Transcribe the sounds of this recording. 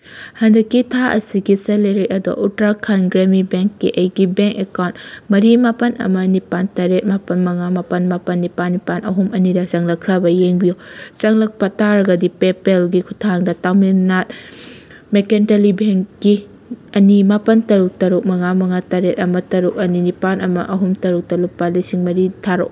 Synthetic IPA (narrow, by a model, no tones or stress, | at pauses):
hɐndɐkːitʰaʔɐ̰siɡiseleɾiɐdo̰ʔutɾakʰanɡɾemibeŋkːḭʔɐjɡibeŋkekawntmɐɾimapɐnʔɐ̰mɐnipantaɾet̚mapɐnmɐŋamapɐnmapɐnːipanːipanʔɐɦumʔɐnidɐt͡ʃɐŋlɐkʰːɾɐbɐjeŋbijot͡ʃɐŋlɐk̚pɐtaɾɐɡɐdipepelɡikʰutʰaŋdɐtawminat̚ | mekentelibeŋkːi | ɐnimapɐntɐɾuk̚tɐɾuk̚mɐŋamɐŋataɾet̚ɐmɐtɐɾuk̚ɐninipanɐmɐ̰ʔɐɦumtɐɾuk̚tɐlupːɐlisiŋmɐɾitʰaɾo̰k